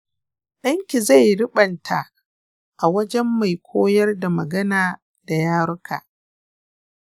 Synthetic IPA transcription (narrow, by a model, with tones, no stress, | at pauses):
ɗɐ˦ŋkʲi˨za˦˨jɽʊ˦ɓɐ˨ntʰa˨ | ʔa˨wɐ˦d͡ʒɛ˦mːa˨jkʷʰoː˦jɐ˦rda˨mɐ˨ɡɐ˦naː˨ | da˨jaː˦ɽʊ˦kʰa̰ː˨ʔ